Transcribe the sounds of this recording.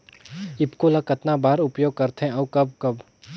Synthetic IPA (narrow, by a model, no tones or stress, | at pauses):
ɪpkolɐkɐt̪nabaːɾʊpjoːɡ̚kɐɾt̪ɦɛ̃ɐːkɐb̚kɐb